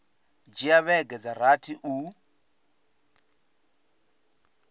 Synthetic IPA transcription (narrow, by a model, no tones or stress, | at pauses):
d͡ʒiaβɛɡɛd͡zaɾatʰiʔu